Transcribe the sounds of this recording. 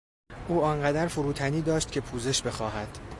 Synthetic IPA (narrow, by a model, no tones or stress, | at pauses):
ʔuːɒnɢæd̪æɾfoɾuːt̪ʰæniːd̪ɒːʃt̪̚cʰe̞pʰuːze̞ʃbe̞xɒːhæd̪̥